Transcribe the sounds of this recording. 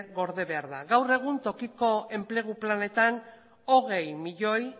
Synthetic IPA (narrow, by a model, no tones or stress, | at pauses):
ɣo̞ɾðe̞βe̞aɾðaɣawre̞ɣ̞unt̪o̞kiko̞e̞mple̞ɣ̞uplane̞t̪an | o̞ɣe̞jmiʎo̞j